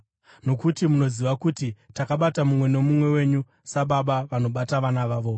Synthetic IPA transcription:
no̞kutimuno̞ziʋakutitakaɓatamumwe̞no̞mumwe̞we̞ɲu | saɓaɓaʋano̞ɓataʋanaʋaːʋo̞

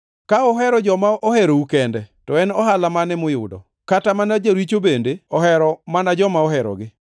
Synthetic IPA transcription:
kaɔɦɛɾɔd͡ʒɔmaʔɔhɛɾoukɛndɛtɔɛnɔɦalamanɛmʊjʊ̰dɔ̰ | katamanad͡ʒaɾwit͡ʃobendeɔhɛɾɔmanad͡ʒɔmaɔɦɛɾɔ̰ɡɪ

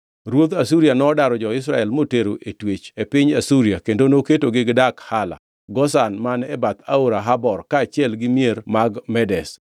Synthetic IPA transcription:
ɾwot̪asuɾjanɔːdaɾɔd͡ʒɔɪs̬ɾaɛlmoteɾoʔetwet͡ʃepɪɲasuɾiakendonoketoɡɪɡdakhala̰ | ɡɔsanmanɛbat̪ʰaoɾaɦabɔrkaːt͡ʃjɛlɡɪmjeɾmaɡmɛdɛs

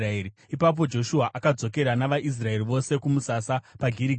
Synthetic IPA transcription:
aeri | ipap̬o̞d͡ʒo̞ʃuaʔakad͡zo̞ke̞ɾanaʋaʔis̬rae̞riʋo̞se̞kumusasapaɡʱiɾiɡ

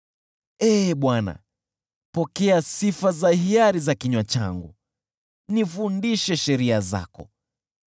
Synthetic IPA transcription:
ɛːɓwana̰ | pɔkɛasifazahiaɾizakiɲwat͡ʃa̰ŋɡu | nifundiʃɛʃɛɾiaza̰kɔ̰

